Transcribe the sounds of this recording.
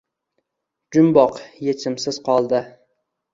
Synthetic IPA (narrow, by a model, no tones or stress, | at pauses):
d͡ʒʊmbɒqjet͡ʃʰɪmsɪz̥qɒlˠd̪ɪ